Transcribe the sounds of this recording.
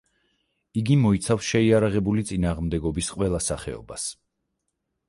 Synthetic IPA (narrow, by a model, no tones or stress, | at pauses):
iɡimɔit̪sʰafsʃɛiaɾaʁɛbulit̪sʼinaːʁmd̪ɛɡɔbisqʼwɛlˠasaχɛ̰ɔ̰bas